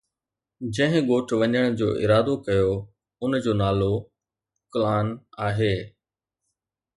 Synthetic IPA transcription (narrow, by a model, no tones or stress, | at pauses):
d͡ʑɐ̃ɦɪ̃ɡoːʈʰʋɐɲəɽ̃d͡ʑo̰ːʔɪ̰ɾaːd̪okɐjo | ʊnd͡ʑoːnaːlo | kʊlaːnaːɦeː